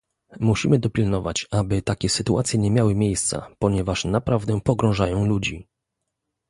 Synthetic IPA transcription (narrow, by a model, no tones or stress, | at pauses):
muɕimɘd̪ɔpʲilnɔva̰t͡ɕabɘt̪akʲɛsɘt̪uʔat̪sʲjɛɲɛmʲjawɘmʲjejst̪sa̰pɔɲɛvaʂnapɾavd̪ɛpɔɡɾɔ̃w̃ʐajɔ̃w̃lud͡ʑi